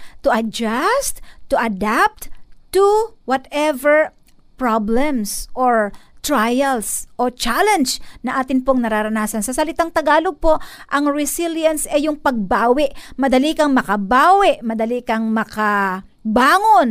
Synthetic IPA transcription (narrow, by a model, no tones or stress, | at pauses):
t̪ʊʔɐd͡ʒast̪t̪ːʊʔɐd̪ap̚t̪t̪uwɐt̪ɛvɛɹ | pɹablɛmsʔoɹt̪ɹajɐlsʔot͡ʃalɛnd͡ʒnɐʔaːt̪ɪnpoŋnɐɾaɾɐnaːsɐnsɐsɐlɪt̪aŋt̪ɐɡaːloɡ̚po̞ʔʔɐŋɹɪsiljɐnsʔɛjʊŋpɐɡ̚baːwɪʔmɐd̪ɐlikɐŋmɐkɐbaːwɪʔmɐd̪ɐlikɐŋmɐka | baːŋon